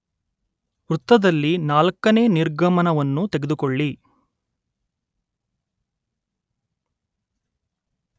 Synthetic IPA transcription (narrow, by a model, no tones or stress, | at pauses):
ɾut̪ːɐd̪ɐlːinaːlkɐne̞ːniɾɡɐmɐnɐʋɐnːut̪e̞ɡed̪ukɔɭːi